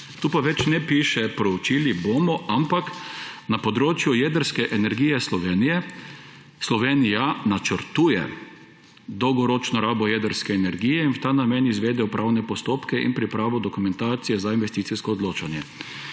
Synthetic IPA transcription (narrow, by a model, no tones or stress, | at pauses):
t̪uːpaʋɛt͡ʃnɛpiːʃɛpɾɔut͡ʃiːliboːmɔʔampaknapɔd̪ɾoːt͡ʃjujɛːd̪əɾskɛʔɛnɛɾɡiːjɛslɔʋeːnijɛ | slɔʋeːnijanat͡ʃəɾt̪uːjɛ̰ | d̪ɔwɡɔɾɔt͡ʃnɔɾaːbɔjɛːd̪əɾskɛːnɛɾɡiːjɛinwt̪aːnamɛnizʋeːd̪ɛjɔpɾʔawnɛpɔst̪oːpkɛʔḭnpɾipɾaːʋɔd̪ɔkumɛ̃nt̪aːt̪sijɛzainʋɛst̪iːt̪siskɔːd̪loːt͡ʃanjɛ